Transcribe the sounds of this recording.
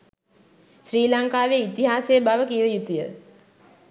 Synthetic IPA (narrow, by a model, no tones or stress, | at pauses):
sɾiːlaŋkaːʋeit̪iɦaːsejəbaʋəkiːʋəjut̪ijə